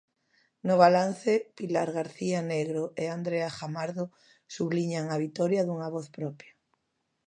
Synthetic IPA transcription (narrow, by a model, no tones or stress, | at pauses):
noβ̞alan̟θepilaɾɣaɾθianeɣɾoʔeand̪ɾeaxamaɾðo | suβliɲaŋaβ̞it̪ɔɾjaðuŋaβoθpɾɔpja